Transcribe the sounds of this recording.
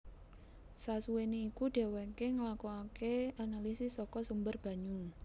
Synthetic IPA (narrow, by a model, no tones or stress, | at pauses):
sasuweneikuɖ̥e̤wekeŋəlakuakeanalisɪsɔkɔsumbərb̥ä̤ɲu